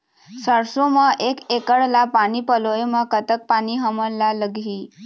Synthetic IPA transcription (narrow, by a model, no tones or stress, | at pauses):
səɾsoməʔekekəɽlapañipəlojeməkət̪ək̚pañiɦəmənːaləɡʱiː